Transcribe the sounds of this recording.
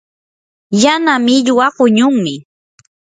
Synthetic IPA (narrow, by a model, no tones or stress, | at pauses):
janamɪʎwaɢʊɲʊŋmɪ